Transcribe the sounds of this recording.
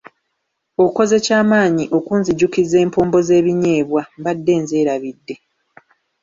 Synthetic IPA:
oko̞ze̞caːmaːɲiʔo̞kuːnziɟukize̞ːmpoːmbo̞ze̞ːβiɲe̞ːβwambadːe̞ːnzeːɾaβidːe̞

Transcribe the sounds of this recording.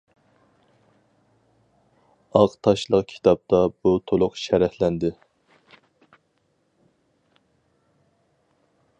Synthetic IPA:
ɑqt̪ʰɑʃlˠəqkʲʰi̥t̪ʰɑp̚t̪ʰɑb̥ut̪ʰolˠʊqʃɛɾɛhlɛnd̪ɪ

